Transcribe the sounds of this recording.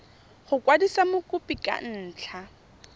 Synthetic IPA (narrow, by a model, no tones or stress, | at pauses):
χʊkʼwadisamʊkʼʊpikʼa̰n̩ːt͡ɬʰa